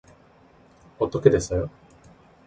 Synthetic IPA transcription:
ot̪ːoked̪esɨ

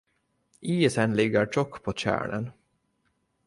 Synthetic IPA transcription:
ʔiːɛsɛnlɪɡːəɾʈɔkːpʰot͡ɕæ̰ːɳə̰n

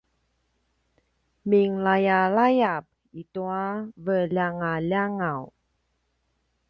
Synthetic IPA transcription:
miŋlajalajap̚ | ituavəlaŋalaŋaw

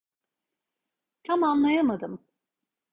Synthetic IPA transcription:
t̪ʰamanlˠajamad̪ɯm

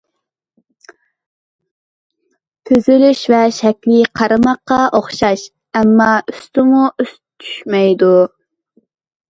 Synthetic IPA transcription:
t̪ʰyzylyʃvɛʃɛkʲlɪqʰɑɾɨmɑqːɑʔoχʃɑʃ | ɛmːɑyst̪ɪmuʔys | t͡ʃ̪ʰy̥ʃmɛjd̪u

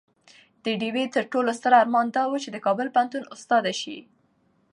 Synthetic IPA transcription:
d̪̥əɖiwet̪əɾʈolost̪əɾaɾmɑnd̪ɑwut͡ʃed̪əkɑbəlpəɦant̪unʊst̪ɑd̪aʃḭ

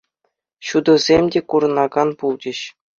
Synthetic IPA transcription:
ɕud̪ɤ̆zʲemʲdʲekuɾɤ̆nɑɡɑnpulˠd͡ʑʲɘ̆ɕ

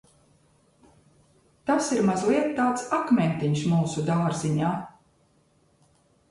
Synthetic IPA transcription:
t̪asiɾmazlˠiɛt̪ːaːt̪sakmʲɛnt̪iɲsmuːsud̪aːɾziɲaː

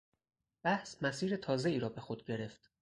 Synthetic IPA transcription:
b̥æhsmæsiːɾet̪ʰɒːze̞iːɾɒːbe̞xod̪̚ɟe̞ɾe̞ft̪

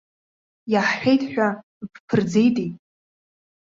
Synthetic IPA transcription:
jaħħʷᶣejtʰʼħᶣʷa | pʰpʰɨrd͡zejtʼijʼ

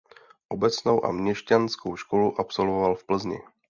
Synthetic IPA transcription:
ʔo̞bɛt͡sno̞wʔa̰mɲɛʃcanskowʃko̞luʔapso̞lvovalfpl̩zɲɪ̰

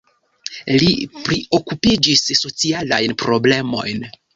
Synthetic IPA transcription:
lipɾio̞kupid͡ʒisːo̞t͡siala̰jnpɾo̞ble̞mo̞̰jn

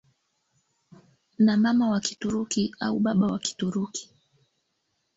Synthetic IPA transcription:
namamawaki̥tuɾukia̰uɓaɓawaki̥tuɾuki̥

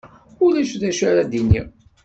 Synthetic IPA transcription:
ʊlæʃðæʃaɾad̪inḭ

